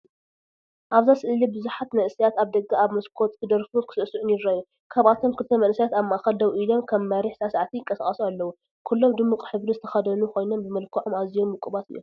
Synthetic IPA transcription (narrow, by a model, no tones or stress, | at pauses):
ʔaβzasɨʔɨlibɨzuħat̪nɐʔɨsijat̪aβd̪ɐɡːaaβmɐskʰo̞t̪ʼkʰɨd̪ɐɾfukʰɨ̥sɨʔsuʔɨnɪd̪ɾaju | kʰaβat̪ʰo̞mkʰɨlt̪ʰɐmɐnsajat̪aβmːaʔaxɐld̪ɐwʔilo̞mkʰɐβːaɾiħsasaʕat̪ʰijɪŋkʼːɐsaχʼɐsualːɐwu | kʰulːo̞md̪ɨmːukʼħɨβɾuzɨt̪ʰɐ̥xɐd̪ɐnuxo̞jno̞mbɨmɐlkʰɐʕomazijomːɨkʼːuβat̪ɨ̰jːom